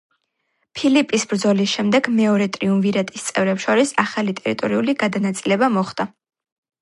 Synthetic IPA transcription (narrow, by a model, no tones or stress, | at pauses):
pʰilipʼisbɾd̪zɔlisʃɛmd̪ɛɡmɛɔɾɛt̪ʼɾiunviɾat̪ʼist̪sʼɛvɾɛpsʃɔɾisaχalit̪ʼɛɾit̪ʼɔɾiuliɡad̪anat̪sʼilɛbamɔχd̪̥a